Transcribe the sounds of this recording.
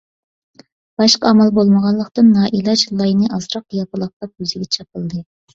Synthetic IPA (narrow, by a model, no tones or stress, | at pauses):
b̥ɑʃqɑɑmɑlˠbolˠməʁɑnlˠːəqt̪ɨnːɑːʔilˠɑd͡ʒlˠːɑjnɨʔɑzɾɑq̚jɑpɨlˠəχ̚t̪ɑp̚yzɪɡʲɛt͡ʃʰɑp̚əlˠd̪ɨ